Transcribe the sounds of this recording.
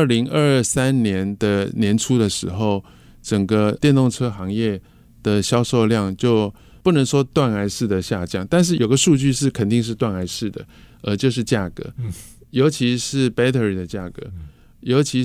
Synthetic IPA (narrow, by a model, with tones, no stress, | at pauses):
ə˥˩li˧˥ŋə˥˧sa˦˥nnjɛ˧˦nd̪ə˨njɛ˧˥nʈ͡ʂʰu˥d̪ə˨ʂɻ̩˧˥xo˥˩ʊ | ʈ͡ʂə˨˩ŋɡə˦t̪jɛ˥˧nt̪o˥˩ŋʈ͡ʂʰɤ˥xɑ˧˥ŋjɛ˥˩ | d̪̥ə˩ɕjɑ˥ʊʂo˥˧ʊljɑ˥˩ŋt͡ɕjo˥˩ʊ | pu˥˩nə˧˥ŋʂwɔ˥t̪wa˥˩na˧˥ɪʂɻ̩˥˩d̪ə˩ɕja˥˧t͡ɕjɑ˥˩ŋt̪a˥˧nʂ̬ɻ̩˥˩˨jo˨˩ʊɡə˦ʂu˥˧t͡ɕy˥˧ʂɻ̩˥˩kʰə˨˩nt̪i˥˧ŋʂ̬ɻ̩˥˧t̪wa˥˩na˧˥ɪʂɻ̩˥˩d̪ə̰˩ | ə˧˥t͡ɕjo˥˧ʊʂ̬ɻ̩˥˧t͡ɕja˥˩kɤ̰˧˦jo˧˥ʊt͡ɕʰi˧˥ʂɻ̩˥˩pe˥ɪt̪ʰə˧˩ɹd̪ə˩t͡ɕja˥˩kɤ̰˧˦ | jo˧˥ʊt͡ɕʰi˧˥